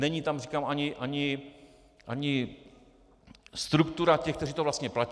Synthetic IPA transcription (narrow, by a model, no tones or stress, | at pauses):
nɛɲiːt̪amrikaːmaɲɪʔaɲɪ | ʔaɲɪ | st̪ɾukt̪uɾacɛxkt̪ɛriːt̪ovlast̪ɲɛplac